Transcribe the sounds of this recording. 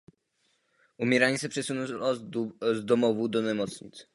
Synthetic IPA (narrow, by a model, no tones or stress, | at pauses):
umʲjɛɾaɲisɛpʂɛsunɔ̃ | zd̪ɔmɔvud̪ɔnɛmɔt̪sɲḭt̪s